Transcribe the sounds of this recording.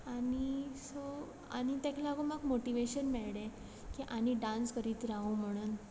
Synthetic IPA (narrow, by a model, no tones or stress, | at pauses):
aɽiso | a̰ñit̪ãkʰilaɡumaɡmoʈiʋeɕənmɛɭɽẽ | kiʔañiɖãnskəɾiːt̪ɾaũm̤əɽ̃uːn